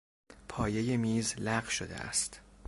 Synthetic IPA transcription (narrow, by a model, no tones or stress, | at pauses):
pʰɒːje̞jemiːzlæɢʃod̪ḛʔæ̰st̪